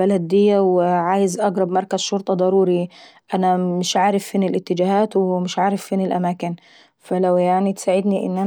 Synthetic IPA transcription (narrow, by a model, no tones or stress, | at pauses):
alad̪ɪjːawɪʕaːjɪzʔɑɡɾˤɑbmɑɾˤkazʃʊɾt̪ˤɑd̪ˤɑɾˤuːɾiʔanamɪʃʕaːɾɪfːiːnɪlʔɪt̪ːɪd͡ʒaːhaːt̪wmɪʃʕaːɾɪfːiːnɪlʔamaːkɪn | falawjaʕnit̪saːʕɪd̪niʔɪ̰nːʔa